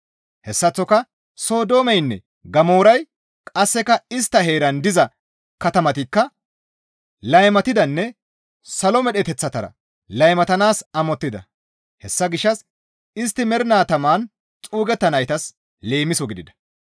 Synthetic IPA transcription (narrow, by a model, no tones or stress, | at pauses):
hɛsːɐt͡sːɔkɐ | so̞ːd̪o̞ːmɛjnːɛ̰ | ɡɐmo̞ːɾɐj | kʼɐsːɛkɐɪst̪ːɐɦe̞ːɾɐnd̪ɪzɐ | kɐt̪ɐmɐt̪ɪkːɐ | lɐjmɐt̪ɪd̪ɐnːɛ | sɐlɔmɛɗɛt̪ɛt͡sːɐt̪ɐɾɐ̰ | lɐjmɐt̪ɐnaːsɐmɔt̪ːɪd̪ɐ̰ | hɛsːɐɡɪʃːɐs | ɪs̬t̪ːɪmɛɾɪnaːt̪ɐmaːn | t͡sʼuːɡɛt̪ːɐnɐjt̪ɐs | le̞ːmɪsɔɡɪd̪ɪd̪ɐ̥